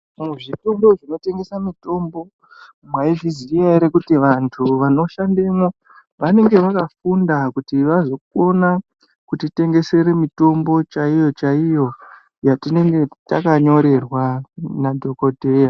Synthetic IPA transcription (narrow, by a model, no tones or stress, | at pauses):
muʐito̞mbo̞ʐino̞te̞ŋɡe̞samito̞mbo̞ | mwaiʐizijaiɾekutiʋantʰuʋano̞ʃandemo | ʋane̞ŋɡe̞ʋakafundakutiʋazo̞k̚o̞na | kutite̞ŋɡe̞se̞ɾe̞mito̞mbo̞t͡ʃaijo̞t͡ʃaijo̞ | jatine̞ŋɡe̞takaɲo̞ɾe̞rwanadʱo̞kodʱe̞ja